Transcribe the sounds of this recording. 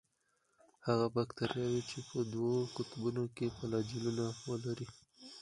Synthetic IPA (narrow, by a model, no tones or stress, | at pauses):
haɣabakt̪aɾjɑwit͡ʃepəd̪wokʊt̪bunokepəlɑd͡ʒɪlunawəlaɾi